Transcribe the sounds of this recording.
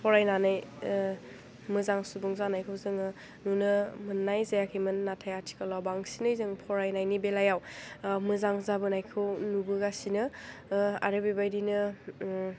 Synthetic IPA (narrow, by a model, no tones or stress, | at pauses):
pʰɔɾajnanaj | mɯzaŋsubuŋzanajkʰɯwzɯŋɯ | nunɯmɯnːajzajakʰimɯnːatʰajatʰi̥kalawbaŋsinɯjzɯŋpʰɔɾajnajnibelajawmɯzaŋzabɯnajkʰɯwnubɯɡasinɯ | a̰ɾɯbibajdinɯ